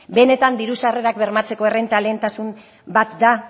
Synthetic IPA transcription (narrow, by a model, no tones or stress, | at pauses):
be̞ne̞t̪and̪iɾusare̞ɾakbe̞ɾmat͡se̞ko̞e̞rent̪ale̞ːnt̪asum | bat̪d̪a